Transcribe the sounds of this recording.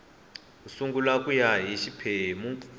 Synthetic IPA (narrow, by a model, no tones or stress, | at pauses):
usuŋɡulakʼujaɦiʃipʰemu